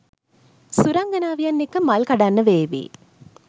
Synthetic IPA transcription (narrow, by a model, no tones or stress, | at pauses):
suɾɐŋɡɐnaːʋijɐnːikːɐmɐlkɐɖɐnːɐʋeːʋḭː